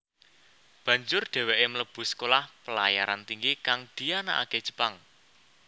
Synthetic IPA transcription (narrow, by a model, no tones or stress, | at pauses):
b̥ä̤ɲd͡ʒʊrɖ̥ɛ̤weʔemələb̥ʊ̤sə̥kolahpəlajaɾant̪iŋɡikaŋd̪̥i̤ana̰ʔa̰ked̥ʒ̥ə̤̥paŋ